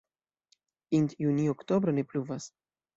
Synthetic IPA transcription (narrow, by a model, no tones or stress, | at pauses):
int̪junioktobɾone̞pluvas